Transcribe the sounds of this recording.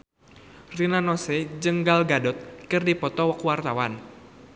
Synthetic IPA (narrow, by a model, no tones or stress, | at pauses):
rinanɔsɛd͡ʒəŋɡalɡadɔt̪̚kɨrdipɔt̪ɔwakuwart̪awan